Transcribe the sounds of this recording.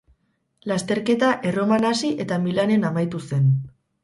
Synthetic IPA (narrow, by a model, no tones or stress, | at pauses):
last̪e̞ɾke̞t̪aʔe̞ro̞manasiʔe̞t̪amilane̞namajt̪use̞n